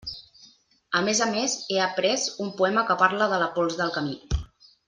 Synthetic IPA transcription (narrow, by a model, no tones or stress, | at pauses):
əmezəmezeəpɾɛzumpuɛməkəpaɾləðələpɔlˠzðəlˠkəmi